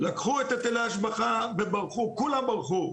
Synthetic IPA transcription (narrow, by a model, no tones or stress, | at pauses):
lakχuet̪at̪eleaʃbaχabebaʁχukulambaʁχu